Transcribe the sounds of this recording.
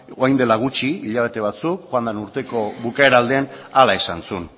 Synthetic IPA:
oajnd̪e̞laɣ̞ut͡ʃiiʎaβe̞t̪e̞β̞at͡sukxoand̪anuɾt̪e̞ko̞βukaeɾald̪e̞nalaesansun

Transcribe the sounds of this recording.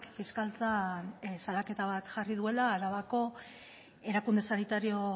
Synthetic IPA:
kfiskalt͡sansalake̞t̪aβat̪ʝarið̞ue̞laːɾaβako̞ | e̞ɾakund̪e̞sanit̪aɾio̞

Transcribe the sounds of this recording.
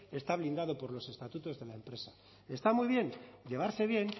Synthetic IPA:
e̞st̪aβ̞lind̪að̞o̞po̞ɾlo̞se̞st̪at̪ut̪o̞zðe̞laempɾe̞sa | e̞st̪amujβ̞je̞nɟ͡ʝe̞β̞aɾse̞β̞je̞n

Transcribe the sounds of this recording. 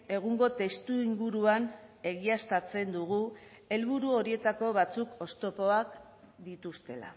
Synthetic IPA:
e̞ɣ̞uŋɡo̞t̪e̞st̪uiŋɡuɾuane̞ɣiast̪at͡se̞nd̪uɣ̞u | e̞lβuɾuo̞ɾie̞t̪ako̞βat͡suko̞st̪o̞po̞ak | d̪it̪ust̪e̞la̰

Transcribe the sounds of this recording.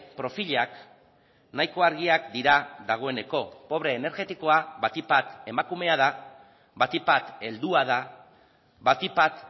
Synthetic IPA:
pɾo̞fiʎak | najko̞aɾɣiakd̪iɾaðaɣ̞o̞e̞ne̞ko̞po̞β̞ɾe̞ːne̞ɾɣe̞t̪iko̞aβat̪ipat̪e̞makume̞að̞a | βat̪ipat̪e̞ld̪uaða | βat̪ipat̪

